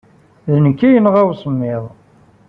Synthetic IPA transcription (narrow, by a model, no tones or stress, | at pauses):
ðənəkːijənʁæwsˤəmːɪðˤ